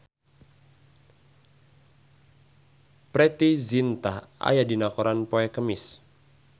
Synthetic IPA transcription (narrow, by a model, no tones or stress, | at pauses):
pɾɛt̪izint̪aa̰jadinakoɾanpoɛkəmɪs